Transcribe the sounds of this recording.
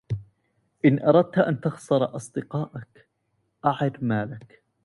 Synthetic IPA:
ʔɪnʔɑɾˤɑd̪̚t̪ʔa̰nt̪ɑɣsˤɑɾˤʔɑsˤd̪ɪqɑːʔak | ʔaʕɪdmaːlak

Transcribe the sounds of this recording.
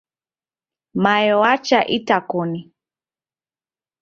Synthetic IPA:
majɔwat͡ʃaʔitakɔni

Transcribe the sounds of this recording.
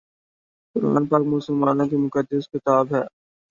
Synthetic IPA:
kʊɾa̰ːnpaːɾkmʊːsəlmaːnõkimʊkəd̪ːəskɪt̪aːbɦɛː

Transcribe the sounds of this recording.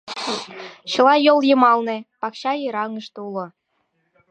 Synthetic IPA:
ɕɤ̆lˠɑjolˠjɤmɑlˠnĕpɑkɕɑjɤɾɑŋɤ̆ʂt̪ulˠɤ̆

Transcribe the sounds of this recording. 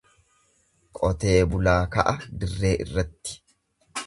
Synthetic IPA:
kʼɔt̪e̞ːbʊlaːkɐ̰ʔɐd̪ɪrːe̞ːʔɪ̰rːɐt̪ːɪ̥

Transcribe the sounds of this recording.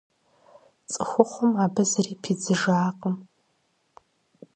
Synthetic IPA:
t͡sʼɨxʷʊχʷʊmabɨzaripʰid͡zɨʐaːqʼəm

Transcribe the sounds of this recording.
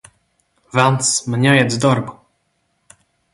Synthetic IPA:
vansmɲʲɛjɛd̪d̪ɔɾɡu

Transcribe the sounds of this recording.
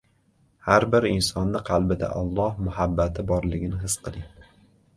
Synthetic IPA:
haɾbɪɾɪnsɒnːɪqʰɑlˠbɪd̪a̰ʔɒ̰lˠːɒhmʊhabːat̪ʰɪbɒɾlɪɡʲɪnɪɦɪsqʰɨlˠɪŋ

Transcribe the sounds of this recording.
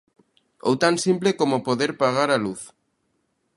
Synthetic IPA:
o̰wt̪ansimplekomopoðeɾpaɣ̞aɾaluθ

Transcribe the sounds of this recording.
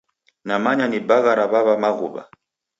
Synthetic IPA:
namaɲanibaɣaɾaβaβamaɣṵβa̰

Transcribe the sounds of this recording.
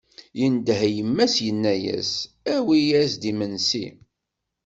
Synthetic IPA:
jənd̪ɦjəmːæsjənːæjæ̰s | æwijæsd̪imənsḭ

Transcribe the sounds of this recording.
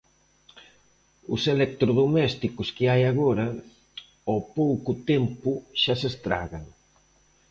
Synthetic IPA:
ʊ̰selek̚t̪ɾoðomɛst̪ikʊskɪajaɣoɾɐ | opowkʊt̪ɛmpʊʃasest̪ɾa̰ɣaŋ

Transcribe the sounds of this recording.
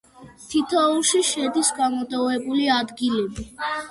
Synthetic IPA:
t̪ʰit̪ʰɔuʃiʃɛd̪isɡamɔt̪ʼɔvɛbuliad̪ɡilɛbi

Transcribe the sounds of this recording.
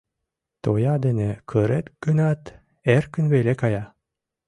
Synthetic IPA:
t̪ojɑd̪enekʰɯɾet̪ɡ̥ɯnɑt̪ | eɾkynβelʲekɑjɑ

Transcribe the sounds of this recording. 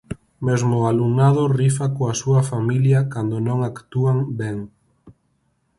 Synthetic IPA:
mezmʊalunaðʊrifakoasuɐfamiljɐkand̪ʊnõŋakt̪uaŋbɛŋ

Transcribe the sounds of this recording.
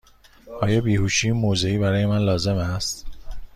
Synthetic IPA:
ʔɒːjɒːbiːhuːʃiːmoːzeiːbæɾɒːje̞mænlɒːze̞mæst̪

